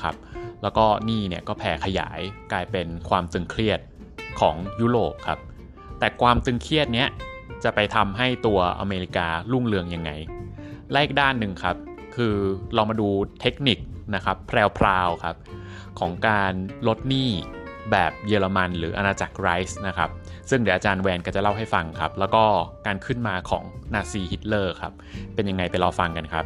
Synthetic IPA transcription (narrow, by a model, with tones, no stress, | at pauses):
kʰa̰˦˥p̚lɛː˦˥wkɔː˥˩niː˥˩ni˥˩ɐkɔː˥˩pʰɛː˨˩kʰa˧ja̰ː˩˦jkaː˧jpe˧nkʰwaː˧mt̪ɯ˧ŋkʰɾi˥˩ət̪̚ | kʰɔ̰ː˩˦ŋjuː˦˥ɾoː˨˩p̚kʰa˦˥p̚ | t̪ɛː˨˩kʰwaː˧mt̪ɯ˧ŋkʰi˥˩ət̪̚ni˦˥ɐt͡ɕa˨˩pa˧jt̪ʰa˧mɦa˥˩jt̪u˧ɐʔa̰˧meː˧ɾi˦kaː˧lu˥˩ŋlɯ˧əŋja˧ŋːa˧jlɛː˦˥ʔi˨˩k̚daː˥˩nːɯ˨˩ŋkʰa˦˥p̚ | kʰɯː˧ɾɔː˧maː˧duː˧t̪ʰe˦˥k̚ni˨˩k̚na˦˥kʰa˦˥pʰːɾɛː˧wpʰɾaː˧wkʰa˦˥p̚ | kʰɔː˩˦ŋkaː˧nlo˦˥t̪̚niː˥˩ | bɛː˨˩p̚jɤː˧la˧ma˧nɾɯː˩˦ʔa˧naː˧t͡ɕa̰˨˩k̚ɾa˦˥jsna˦˥kʰa˦˥p̚ | sɯ˥˩ŋdɯ˩˦ʔaː˧t͡ɕaː˧nwɛː˧nkɔː˥˩t͡ɕa˨˩la˥˩wɦa˥˩jfa˧ŋkʰa̰˦˥p̚lɛː˦˥wkɔː˥˩kaː˧nkʰɯ˥˩nmaː˧kʰɔ̰ː˩˦ŋnaː˧siː˧hi˦˥t̪̚lɤː˥˩kʰa˦˥p̚ːe˧nja˧ŋːa˧jpa˧jlɔː˧fa˧ŋka˧nkʰa˦˥p̚